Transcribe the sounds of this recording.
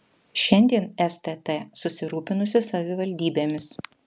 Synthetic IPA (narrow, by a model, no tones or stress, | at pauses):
ʃʲɛnʲd̪ʲiɛnɛst̪ɛt̪ɛsʊsʲɪɾuːpʲɪnʊsʲɪsɐʋʲɪʋɐlʲd̪ʲiːbʲeːmʲɪs